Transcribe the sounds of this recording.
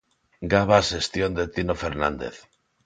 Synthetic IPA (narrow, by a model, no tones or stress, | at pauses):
ɡaβ̞asest̪jond̪et̪inofeɾnã̰nd̪ḛθ